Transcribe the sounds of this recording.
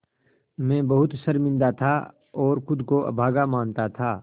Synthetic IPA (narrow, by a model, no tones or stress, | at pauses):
mɛ̃ːbɐɦʊt̪sɐɾmɪ̃nd̪at̪ʰa | ɔːɾxʊd̪ʱkoʔɐ̰bʱaːɡamãːnt̪at̪ʰaː